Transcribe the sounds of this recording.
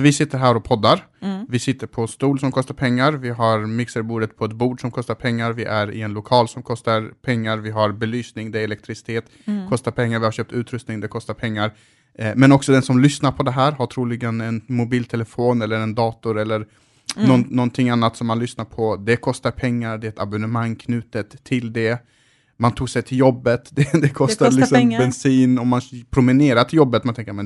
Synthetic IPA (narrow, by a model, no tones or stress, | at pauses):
vɪsɪt̪ːəɾɦæːɾɔpʰɔd̪ːaɾvɪsɪt̪ːəɾpʰɔst̪uːlsɔmkʰɔst̪aɾpʰɛŋːaɾvɪɦaɾmɪksəɾbuːɖ̪ət̪̚pʰɔɛt̪̚buːɖʂɔmkʰɔst̪aɾpʰɛŋːaɾvɪʔæɾɪ̰ɛnlʊkʰɑːlsɔmkʰɔst̪aɾpʰɛŋːaɾvɪɦaɾbɛlyːsnɪŋd̪ɛɛlɛk̚t̪ɾɪsɪ̥t̪ʰeːt̪ | kʰɔst̪aɾpʰɛŋːaɾvɪhaɾɕøːp̚t̪ʉ̟ːt̪ɾɵst̪nɪŋd̪ɛkʰɔst̪aɾpʰɛŋːaɾ | mɛnɔksɔd̪ɛnsɔmlʏsnaɾpʰɔd̪ɛɦæːɾɦaʈʰɾuːlɪɡənɛnmʊbiːlt̪ʰɛlɛfoːnɛlːəɾɛnd̪ɑːt̪ʊɾɛlːəɾ | nɔnnɔnt̪ʰɪŋːanːat̪sɔmːanlʏsnaɾpʰɔd̪ɛkʰɔst̪aɾpʰɛŋːaɾɖ̪ɛɛt̪abʊnəmaŋːkʰnʉ̟ːt̪ət̪ʰːɪld̪ɛ | mant̪ʰuːɡsɛjt̪ʰɪljɔbːət̪d̪ɛd̪ɛkʰɔst̪alɪksɔmbɛnsiːnɔmːanpʰɾʊmɪneːɾat̪ʰɪljɔbːət̪mant̪ʰɛŋkəɾmɛn